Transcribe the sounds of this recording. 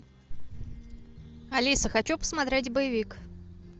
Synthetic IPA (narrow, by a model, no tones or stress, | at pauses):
alʲisəxat͡ɕupə̥smat̪ɾʲetʲbəjɪvʲik